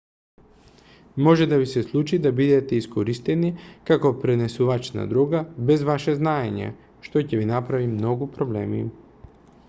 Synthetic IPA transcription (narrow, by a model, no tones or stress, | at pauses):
moʒɛd̪avisɛslˠut͡ʃid̪abid̪ɛt̪ɛiskoɾist̪ɛnikakopɾɛnɛsuvat͡ʃna̰d̪ɾuɡabɛzvaʃɛznaeɲɛ̰ | ʃt̪ocɛvinapɾavimnoɡupɾoblɛ̰mḭ